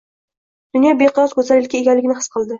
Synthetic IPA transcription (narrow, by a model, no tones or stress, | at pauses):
d̪̥ʊnjɒbeqʰɨɾɒzkʰɵzalɪlkʲaeɡʲanlɪɡʲɪnɪhɨ̥sqʰɨlˠd̪ɪ